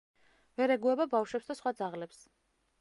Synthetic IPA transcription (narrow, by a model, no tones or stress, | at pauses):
vɛɾɛɡuɛbabafʃwɛpsd̪asχwad̪zaʁlɛps